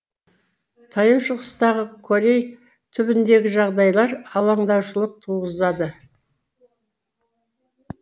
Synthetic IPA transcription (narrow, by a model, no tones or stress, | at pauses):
t̪ʰɑjəwʃʊʁəst̪ɑʁəkʰoɾʲej | t̪ʰʏbɪnd̪e̞ɡʲɪʒɑʁd̪ɑjlˠɑɾɑlˠɑɴd̪ɑwʃəlˠəq̚t̪ʰuʁəzɑd̪ə